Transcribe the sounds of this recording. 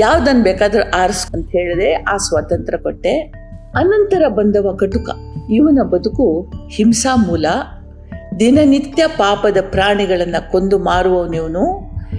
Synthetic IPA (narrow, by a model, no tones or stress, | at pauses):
jaːʋd̪ɐnːbɛːkaːd̪ɐɾuʔaːɾɐsɐnt̪ɐɦeːɭid̪eaːsʋat̪ɐnt̪ɾɐkoʈːe̞ | ɐnɐnt̪ɐɾɐbɐnd̪ɐʋɐkɐʈukɐ̰iʋɐnɐbɐd̪ukuhimsaːmuːlɐ | d̪inɐnit̪jɐpaːpɐd̪ɐpɾaːɳiɡɐɭɐnːɐkond̪umaːɽuʋɐʋniːʋɐnu